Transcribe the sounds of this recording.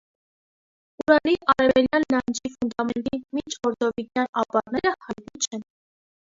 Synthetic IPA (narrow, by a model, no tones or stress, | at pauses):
uɾɑliʔɑɾɛvɛljɑnːɑnd͡ʒifund̪ɑmɛnt̪imit͡ʃʰɔɾd̪ɔvinjɑnɑpɑɾnɛɾəhɑj̪it͡ʃʰɛn